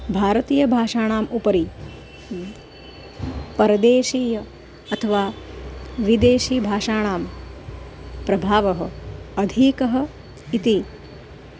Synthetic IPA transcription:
bʱaːɾɐt̪iːjɐbʱaːʃaːɳ̃aːmupɐɾi | pɐɾɐd̪eːʃiːjɐ | ɐt̪ʰɐʋaː | ʋid̪eːʃiːbʱaːʂaːɳ̃aːm | pɾɐbʱaːʋɐɦɐ̰ɐd̪ʱiːkɐɦɐ | it̪i

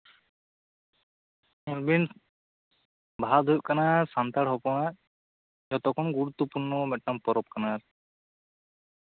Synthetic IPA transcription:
mulbin | bʱaad̪ʱujʔ̚kanasant̪aɽɦɔpɔɽ̃a | d͡ʒɔt̪ɔkʰɔnɡuɾut̪ːɔpuɾnɔmɛʈ̚ːampɔɾɔp̚kanaɾ

